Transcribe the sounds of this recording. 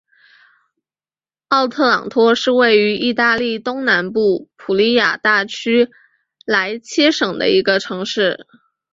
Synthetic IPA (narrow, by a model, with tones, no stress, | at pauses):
ɑ˥˧ʊt̪ʰɤ˥˩lɑ̰˨˩ŋt̪ʰwɔ˥ʂɻ̩˥˧we˥˩ɪy˧˥ʔi˥˧t̪a˥˧li˥˩t̪ʊ˥ŋna˧˥npu˥˩pʰu˨˩li˧˥ja̰˨˩t̪a˥˩t͡ɕʰy˥ | la˧˥ɪt͡ɕʰjɛ˥ʂɤ˨˩ŋd̪ə̰˦i˧˥ɡə˧ʈ͡ʂʰɤ˧˥ŋʂɻ̩˥˩